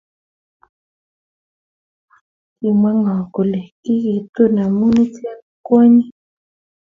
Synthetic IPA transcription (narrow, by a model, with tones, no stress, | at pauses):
ki˨mwa˦ŋa˨ko˨le˨ki˦ɣi˨t̪u˦na˨mu˦ni˦ti˦a˦kɔ˦ɲi˦